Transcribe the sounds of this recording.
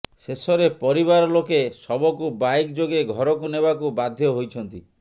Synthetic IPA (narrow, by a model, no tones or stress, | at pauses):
sesɔɾepɔɾibaɾɔlokesɔbɔkubajkd͡ʒoɡeɡʱɔɾɔkunebakubad̪ʱjɔɦojt͡ʃʰɔnt̪i